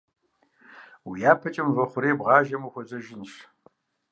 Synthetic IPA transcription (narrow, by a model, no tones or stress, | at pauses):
wijaːpʰɐt͡ʃʼɐmvɐχʷʊɾeːbʁɑːʒɐmuxʷɔzɐʒɪnʃ